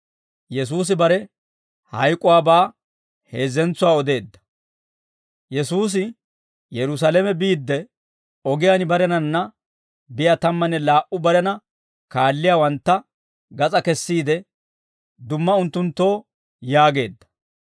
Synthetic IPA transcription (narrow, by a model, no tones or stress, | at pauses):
jɛs̬uːs̬ɪbɐɾɛ | hɐjkʼʊwaːbaː | he̞ːzɛnt͡sːʊwaːɔd̪e̞ːd̪ːɐ̥ | jɛsuːs̬ɪ | jɛɾʊs̬aːlɛmɛbiːd̪ːɛ | ɔɡɪjaːnɪbɐɾɛnɐnːɐ | bɪjat̪ɐmːɐnɛlaːʔʊbɐɾɛnɐ | kaːlːɪjaːwɐnt̪ːɐ | ɡɐt͡sʼɐkɛsːiːd̪ɛ | d̪ʊmːɐʊnt̪ːʊnt̪ːo̞ː | jaːɡe̞ːd̪ːɐ̥